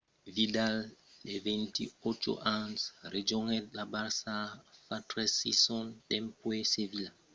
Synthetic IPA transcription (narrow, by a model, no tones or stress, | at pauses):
vidaldevɛnt̪ḭot͡ʃo̰ʔãnsred͡ʒoŋɛt̪labaɾsafatɾesisɔntɛmpwesevila